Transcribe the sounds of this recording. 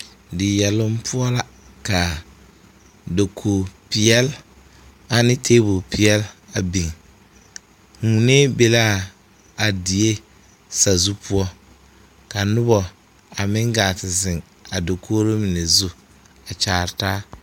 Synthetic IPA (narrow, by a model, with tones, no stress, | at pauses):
dɪ˨jɛ˨lʊ˦m˦pʰʊ˦ɔ˦la˦ | ka˨ | do˨kʰoː˨pɪ˨ɛ˦l | a˨nɪ˦tʰeː˦bʊ˨pʰi˨ɛ˦la˨bi˨ŋ | ŋ˨u˨ne˦be˦la˦˨ | a˨di˨e˦ | sa˨zu˦pʰʊ˦ɔ˦ | ka˨nʊ˦bɔ˨ | a˨mɪ̃˦ŋɡa˨tɪ˨zɪ˨ŋ | a˨do˨kʰoː˦ɾo˦mi˨ne˨zu˦ | a˨t͡ʃaː˨ɾtaː˦